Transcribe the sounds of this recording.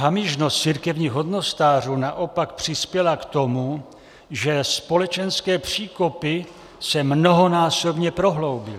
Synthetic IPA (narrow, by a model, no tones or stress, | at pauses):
ɦamɪʒnost̪t͡siːɾkɛvɲiːɣɦod̪no̞st̪aːr̝uːnaʔo̞pakpr̝̥ɪspjɛlakt̪o̞mu | ʒɛspo̞lɛt͡ʃɛnskɛːpr̝̥iːkopɪ | sɛmno̞ɦo̞naːso̞bɲɛpɾo̞ɦlo̞wbɪl